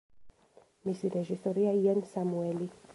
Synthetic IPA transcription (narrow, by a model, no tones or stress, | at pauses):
misiɾɛʒisɔɾiajɛnsamuɛli